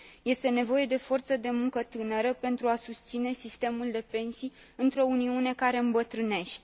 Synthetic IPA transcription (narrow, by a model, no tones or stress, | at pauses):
je̞st̪e̞ne̞vo̞je̞d̪e̞fo̞rt̪səd̪e̞muŋkət̪ɨnəɾəpe̞nt̪ɾuasust̪sine̞sist̪e̞muld̪e̞pe̞nsij | ɨnt̪ɾo̞uniune̞kaɾe̞ɨmbət̪ɾɨne̞ʃt̪ʲ